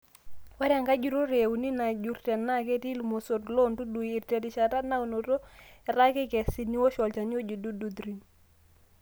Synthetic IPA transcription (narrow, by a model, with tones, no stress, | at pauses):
wa˦ɾa˨ŋɡa˦d͡ʒu˨ɾo˦ɾe˨wu˨ni˦na˨d͡ʒu˦ɾtɛ˨nːa˦˨ke˦ti˦lu˨mo˨so˨tlo˦ntu˦du˨i˨rtɛ˨ti˨ʃa˨ta˦na˦u˨no˨to˦ɛ˨ɾa˦kɛ˦kɛ˨si˦ni˦wo˦ʃɔ˨lt͡ʃa˨ni˦o˦d͡ʒu˨du˦du˦d̪ɾi˨n